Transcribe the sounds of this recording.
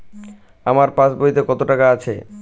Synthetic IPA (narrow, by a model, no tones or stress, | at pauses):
amaɾpãsbojt̪ekɔt̪oʈakaat͡ɕʰḛ